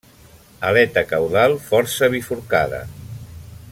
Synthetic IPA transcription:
əlɛt̪əkawðalˠfɔɾsəβifuɾkaðə̰

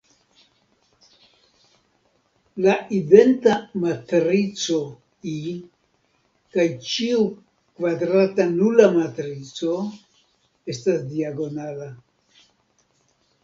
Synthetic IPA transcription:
laʔide̞ntamatɾit͡so̞ | i | kajt͡ʃiu | kvadɾatanulamatɾit͡so̞ | e̞stasdiaɡo̞nala

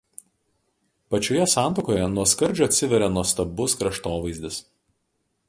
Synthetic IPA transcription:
pɐt͡ʃʲoːjɛsɑˑnt̪oːkoːjɛnuɔskɐɾʲd͡ʒʲʊɐt̪ʲsʲɪʋʲɛɾʲɛnuɔst̪ɐbʊskɾɐʃt̪oːʋɐɪzʲd̪ʲɪs

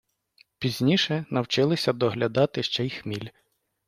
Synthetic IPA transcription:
pʲizʲnʲiʃɛnɐwt͡ʃɪlˠɪsʲɐd̪ɔɦlʲɐd̪ɑt̪ɪʃt͡ʃɛjxmʲilʲ

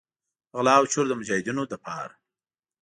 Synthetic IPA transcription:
ɣlɑːwt͡ʃʊɾd̪əmʊd͡ʒɑhɪd̪inod̪əpʰɑ̰ɾa

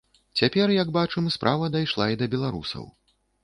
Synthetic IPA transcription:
t͡sʲapʲɛrjɐɡbat͡ʂɨmspɾʔavɐd̪ajʂlˠaid̪ɐbʲɛlˠaɾṵsɐ̰w

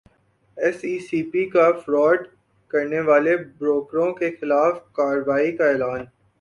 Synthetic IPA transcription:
ɛsiːsiːpikafɾɔːɖ | kɐɾneʋaːlebɾoːkɾõkexɪlaːfkaːɾʋaːikaɛːlaːn

